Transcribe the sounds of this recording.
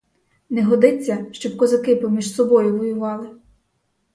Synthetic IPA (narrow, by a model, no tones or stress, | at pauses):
nɛɦɔd̪ɪt͡sʲːɐʃt͡ʃɔb̚kɔzɐkɪpɔmʲiʒsɔbɔjʊʋɔjʊʋɑlˠɪ